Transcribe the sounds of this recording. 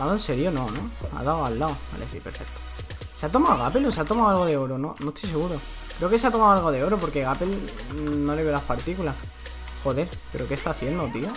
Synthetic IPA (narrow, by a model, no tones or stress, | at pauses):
aðoense̞ɾjono̞noa̰ðawalːaoa̰lʔesḭpe̞ɾfe̞k̚t̪o̥ | seat̪o̞maoɣape̞lo̞seat̪omawalɣoðeoɾono̞no̞st̪ojseɣuɾo | kɾe̞o̞ke̞seat̪o̞mawalɣo̞ðe̞o̞ɾopoɾke̞ɣapelno̞le̞βeolaspaɾt̪ikulas | xo̞ðe̞ɾ | pe̞ɾokest̪aθje̞nd̪ot̪io